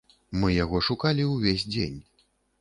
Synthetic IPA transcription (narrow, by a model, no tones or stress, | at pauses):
mɨjaɣɔʂukalʲiwvʲezʲd͡zʲḛnʲ